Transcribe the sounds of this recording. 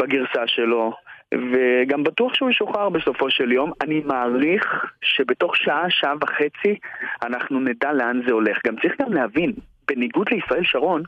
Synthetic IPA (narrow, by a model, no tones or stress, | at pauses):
baɡiʁsaʃelo̞veɡambatuaχʃeuʃoχaʁbe̞so̞fo̞ʃe̞ljo̞manimaːʁiχʃe̞beto̞χʃaʔaʃaʔavaχe̞t͡sianaχnunedale̞anze̞o̞le̞χɡamt͡saʁiχɡamlehavin | b̥e̞niɡud̪leisʁae̞lʃaʁo̞n